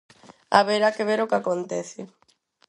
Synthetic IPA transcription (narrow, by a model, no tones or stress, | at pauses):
a̰βeɾakeβeɾokakont̪eθɪ